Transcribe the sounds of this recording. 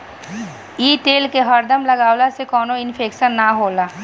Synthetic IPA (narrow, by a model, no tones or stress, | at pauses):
iːt̪eːlkeɦɐɾd̪əmlɐɡaːwlasekɔːnoɪnpʰeːkʃənːaɦoːlaː